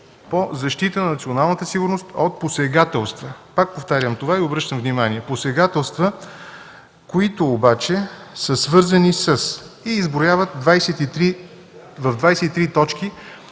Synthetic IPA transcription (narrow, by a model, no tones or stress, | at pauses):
pozɐʃt̪it̪ənɐnɐt̪sionalˠnət̪əsiɡʊɾnost̪ot̪̚posɛɡat̪ɛlˠst̪vəpak̚poft̪aɾʲjəmt̪ovaiobɾɤʃt̪əmvnimaniɛposɛɡat̪ɛlˠst̪və | koit̪oːbat͡ʃɛsəsvɤɾzɐnisəsiːzbɾojavət̪̚d̪vajsɛt̪it̪ɾi | vəvd̪vajsɛt̪it̪ɾit̪ɔt͡ʃki